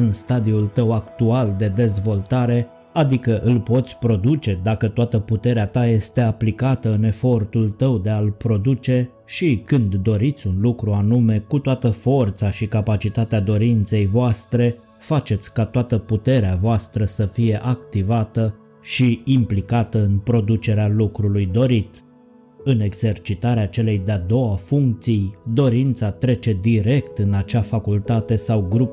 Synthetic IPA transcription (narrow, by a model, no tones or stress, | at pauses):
ɨnst̪ad̪iult̪əwakt̪uald̪e̞d̪e̞zvo̞lt̪aɾe̞ | ad̪ikəʔɨlpo̞t̪sʲpɾo̞d̪ut͡ʃe̞d̪akət̪oat̪əput̪e̞ɾeat̪aje̞st̪e̞aplikat̪əɨne̞fo̞rt̪ult̪əwd̪e̞alpɾo̞d̪ut͡ʃe̞ | ʃikɨnd̪ːo̞ɾit̪sʲunlukɾuanume̞kut̪oat̪əfo̞rt̪saʃikapat͡ʃit̪at̪ead̪o̞ɾint̪se̞jvoast̪ɾe̞ | fat͡ʃe̞t̪sʲkat̪oat̪əput̪e̞ɾeavoast̪ɾəsəfije̞ʔak̚t̪ivat̪ə | ʃiimplikat̪əɨnpɾo̞d̪ut͡ʃe̞ɾealukɾulujd̪o̞ɾit̪ | ɨne̞ɡz̥e̞rt͡ʃit̪aɾeat͡ʃe̞lejd̪ead̪o̞wafuŋk̚t̪sijd̪o̞ɾint̪sat̪ɾe̞t͡ʃe̞d̪iɾe̞kt̪ɨnat͡ʃafakult̪at̪e̞sawɡɾup